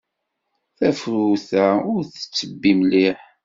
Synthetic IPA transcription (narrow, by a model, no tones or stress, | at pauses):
θæfɾuθæʊɾθə̥t͡sːəbːimliħ